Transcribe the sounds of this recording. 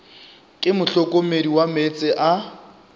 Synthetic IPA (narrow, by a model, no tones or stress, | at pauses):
kʼɪmʊɬɔkʼomediwamet͡sʼɪʔa